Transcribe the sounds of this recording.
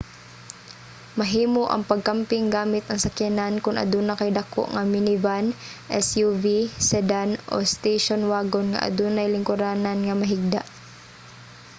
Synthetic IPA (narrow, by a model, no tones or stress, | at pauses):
mɐɦiːmoʔɐ̰ŋpɐɡ̚kampɪŋɡaːmɪt̪ɐŋsɐkɛnankʊnʔɐ̰d̪unɐkajd̪ɐko̰ʔŋɐmɪnɪvanʔɛsjuvisɛd̪anʔo̰st̪ejʃonwaːɡonŋa̰ʔa̰d̪uːnajlɪŋkʊɾaːnanŋɐmɐɦɪɡ̚d̪aʔ